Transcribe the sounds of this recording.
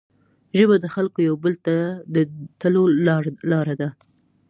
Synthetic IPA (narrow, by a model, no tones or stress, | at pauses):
ʒəbad̪əxalkojawbəlt̪ad̪ət̪əlolɑɾad̪a